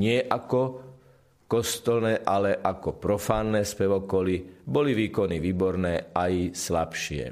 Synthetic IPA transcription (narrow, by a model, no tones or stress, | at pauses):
ɲɪɛʔakɔ | kɔst̪ɔlnɛːʔalɛʔakɔpɾɔfaːnːɛːspɛʋɔkɔlibɔliʋiːkɔniʋiːbɔɾnɛːajslapʃɪɛ̰